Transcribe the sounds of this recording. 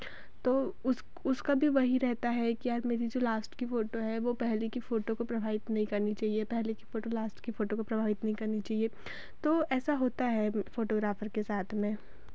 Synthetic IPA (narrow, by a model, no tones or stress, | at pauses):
t̪oːʊs | ʊskabʱiʋɐɦiɾɛɦt̪aɦɛkiaːɾmeːɾid͡ʒoːlaːsʈkifoːʈoɦɛʋopɛɦlekifoːʈõkopɾɐbʱaːʋɪt̪nɐɦĩkɐɾnit͡ʃaːɦiepɛɦlekifoːʈolaːsʈkifoːʈõkopɾɐbʱaːʋɪt̪nɐɦĩkɐɾnit͡ʃaːɦie | t̪oːɛːsaɦoːt̪aɦɛfoːʈoːɡɾaːfəɾkesaːt̪ʰmẽ